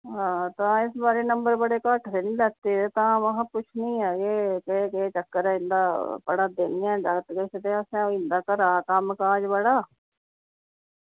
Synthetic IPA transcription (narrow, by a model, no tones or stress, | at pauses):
ɦãːt̪ãːɪsbaːɾeːnəmbəɾbəɽeːkəʈʰɾɪnlɛːt̪eːt̪ãːʋəɦãːpʊt͡ʃʰnəĩːaːɡeːkeket͡ʃəkːəɾaːɪ̃nd̪aːpəɽaːd̪eːnːãːɖəɡt̪ket͡ʃət̪eːəsẽːoːɪ̃nd̪aːkəɾaːkəmkaːd͡ʒbəɽaː